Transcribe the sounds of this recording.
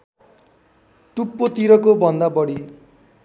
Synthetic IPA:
ʈupːot̪iɾʌkobʱʌnd̪abʌɽi

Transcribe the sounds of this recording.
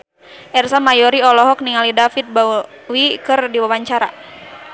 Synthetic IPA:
ʔɛrsamajɔɾiɔlɔɦɔk̚niŋalidafit̪̚ba | wikɨrdiwawaɲt͡ʃaɾa

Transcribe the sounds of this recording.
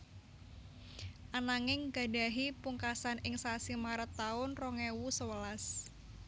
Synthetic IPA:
ʔanaŋɪŋɡa̤ɖa̤ɦipuŋkasanɪŋsasimaɾət̪ːaʊnrɔŋewusəwəlas

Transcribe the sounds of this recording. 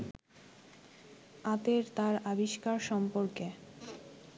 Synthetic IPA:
at̪eɾt̪aɾabiʃkaɾʃɔmpoɾke

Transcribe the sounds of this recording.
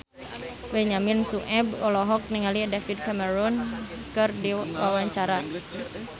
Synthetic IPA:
bɛɲaminsuʔɛbɔlɔɦɔk̚niŋalidafid̚kamɛɾun | kɨrdiwawaɲt͡ʃaɾa

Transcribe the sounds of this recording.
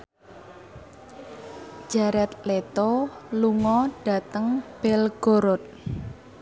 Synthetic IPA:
d͡ʒ̥aɾɛt̪̚let̪oluŋɔɖ̥a̤t̪əŋb̥ɛlɡ̥oɾɔt̪̚

